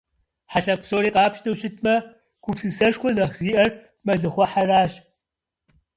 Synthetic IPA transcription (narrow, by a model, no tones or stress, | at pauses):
ħaɬɐpʷsoːɾiːqɑːpʃtʰɐwɕɪtʰmɐ | kʷʰʊpsɨsɐʃxʷɔnɐχziːʔɐr | mɐɮɨχʷɔħaraːɕ